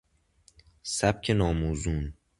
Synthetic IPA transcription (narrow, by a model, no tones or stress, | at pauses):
sæb̚cʰenɒːmuːzun